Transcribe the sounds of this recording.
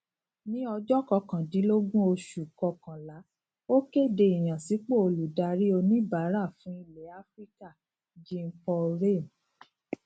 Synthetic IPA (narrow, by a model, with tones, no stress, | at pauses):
nĩ˦ɔ˧d͡ʒɔ˦kɔ˧kã˨di˨˦lo˦ɡũ˦o˧ʃu˨kɔ˧kã˨la˨˦ | o˦ke˦˨de˧i˨j̃ã˨si˨˦k͡po˦˨o˧lu˨da˧ɾi˦o˧nĩ˦ba˨˦ɾa˦˨fũ˦i˧le˨˦a˦fɾi˦ka˦˨ | d͡ʒĩ˦m̩˦pɔ˧ɾe˦˨m˨